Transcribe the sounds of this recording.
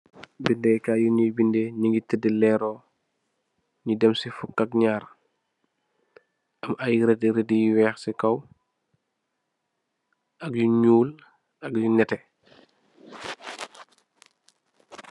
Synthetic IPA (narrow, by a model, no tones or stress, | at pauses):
bindɛkaːjuɲijbindɛɲiŋɡitədəlɛɾɔː | ɲidɛmsifukːɐkɲaːɾ | ʔɐmʔajiɾɛdiɾɛdijiwɛːxsikɐw | ʔɐk̚juɲuːl | ɐkjunɛtɛ